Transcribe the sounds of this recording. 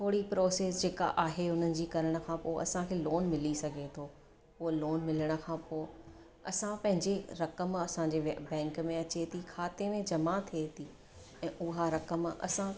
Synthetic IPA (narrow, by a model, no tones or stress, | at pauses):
t̪ʰoːɽipɾoːseːsd͡ʑeːka̰ʔaːɦeʊn̤ənɪ̆d͡ʑiːkɐɾəɽ̃ə̆kʰãːpoːʔɐ̰sãkʰeːloːnmɪlisɐɡʱet̪ʰoː | ʊloːnmɪləɽ̃ə̆kʰãːpoː | ɐsãpɐ̃ɦɪ̃ɲd͡ʑeɾɐkəmɐsãɲd͡ʑebɛ̃ːŋkmẽɐt͡ɕet̪ʰikʰaːt̪emẽd͡ʑɐmat̪ʰiet̪ʰi | ɛ̃ːʔʊɦaɾɐkəmɐ̰sã